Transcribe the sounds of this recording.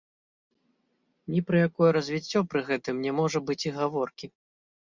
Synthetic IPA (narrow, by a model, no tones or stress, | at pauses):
nʲipɾɨjakɔjɛɾɐzʲvʲit͡sʲːɔpɾɨɣɛt̪ɨmnʲɛmɔʐɐbɨt͡sʲiɣavɔrkʲi